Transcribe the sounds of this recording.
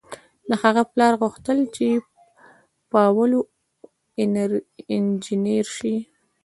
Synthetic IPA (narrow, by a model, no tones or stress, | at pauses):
d̪ahaɣaplɑɾɣuxt̪əlt͡ʃe | pəawalo | nɾɪnd͡ʒineɾʃi